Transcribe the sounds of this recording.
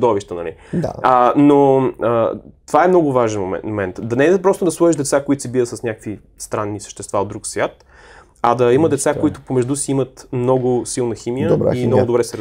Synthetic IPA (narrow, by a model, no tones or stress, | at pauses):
d̪ɔviʃt̪ənɐ̰lḭd̪a̰ənoət̪ovaɛmnɔɡʊvaʒɛnoɛ̰mɛnt̪d̪ɐnɛd̪pɾɔst̪ʊd̪ɐslˠɔiʒd̪ɛt̪sakoit̪sibiɾət̪sɐsnʲakə̥kvi | st̪ɾanːisə̥ʃt̪ɛst̪vaod̪ɾuksvʲjat̪ | ɐd̪ɐiməd̪ɛt̪sakoit̪ʊpomɛʒd̪usiimət̪mnɔɡʊsilˠnəximijəa̰imnɔɡʊd̪ʊbɾɛsɛɾ